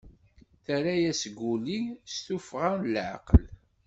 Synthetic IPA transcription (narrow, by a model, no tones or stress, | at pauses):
θæɾæjæsɡulist̪ufʁawnlʕa̰ql